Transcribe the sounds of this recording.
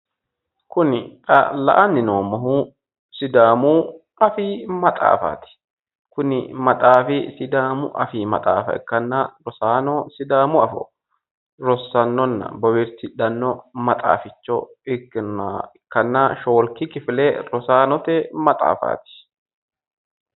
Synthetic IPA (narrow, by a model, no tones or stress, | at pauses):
kʊnɪɐ̰lɐ̰ʔɐnːɪnoːmɐhu | sɪd̪aːmʊ | ɐfiːmɐt̪ʼa̰ːfa̰ːt̪ɪ̥ | kʊnɪ̰mɐt̪ʼaːfɪsɪd̪aːmʊʔɐfiːmɐ̰t̪ʼaːfɐ̰ɪ̰kːɐnːɐɾɔsaːnɔsɪd̪aːmʊɐfɔ̰ | ɾɔsːɐnːɔnːɐ̰bɔwɪɾt̪ɪᶑɐnːɔmɐt̪ʼa̰ːfɪt͡ʃːɔ | ɪkːnɪkːɐnːɐʃo̞ːlkɪkɪfɪlɛɾɔsaːnɔt̪ɛmɐt̪ʼa̰ːfa̰ːt̪ɪ̥